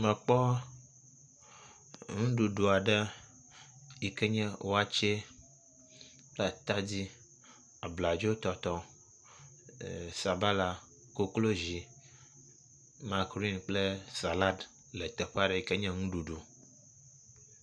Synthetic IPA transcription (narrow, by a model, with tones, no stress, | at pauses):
mɛ̃˨k͡pɔ˦ | ŋũ˦ɖu˨ɖu˨a˨ɖɛ˦ | i˨kɛ˦ɲɛ̃˦wʔo˦a˦t͡ʃe˦ | k͡pla˨t̪a˦d͡ʑi˦ | a˨bla˨d͡ʒo˦t̪ɔ˨t̪ɔ˦˨ | sa˨ba˦la˦ | ko˦klo˦zi˨ | mã˨kɾi˦nk͡ple˦sa˨la˦d | le˨t̪ɛ˨ɸa˦ɖɛ˨i˨kɛ˦ɲɛ̃˦ŋũ˦ɖu˨ɖu˨